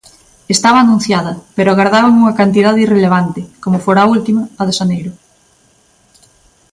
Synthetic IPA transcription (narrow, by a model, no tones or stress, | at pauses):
est̪aβɐaːnũn̟θjaðɐpeɾʊaɣaɾðaβaŋuŋɐkant̪ið̞aðeireleβ̞ant̪ɪkomʊfoɾault̪imɐːðeʃanejɾʊ